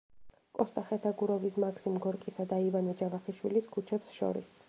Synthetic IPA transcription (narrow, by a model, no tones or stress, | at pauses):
kʼɔst̪ʼaχɛt̪ʰaɡuɾɔvismakʰsimɡɔɾkʼisad̪aivanɛd͡ʒavaχiʃwiliskʰut͡ʃʰɛpsʃɔ̰ɾḭs